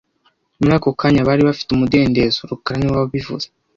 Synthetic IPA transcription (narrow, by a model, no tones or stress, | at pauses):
muɾaːkokaɲaβaːɾiβafi̥tumude̞ːnde̞zoɾukaɾaniwaββivṵz̥e